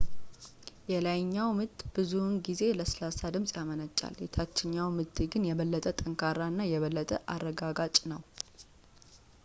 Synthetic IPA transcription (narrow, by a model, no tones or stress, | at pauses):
jɛlajɲːawmɨt̪ːb̥ɨzunɡize̞ləslasad̪ɨmsʼjamənət͡ʃʼa̰ljɛt̪ʰat͡ʃːɪɲːawmɨt̪ːɡɨnjɛβəlːət̪ʼət̪ʼəŋkʰaɾaɨnːajɛβəlːət̪ʼə̰ʔarːəɡaɡat͡ʃʼnəw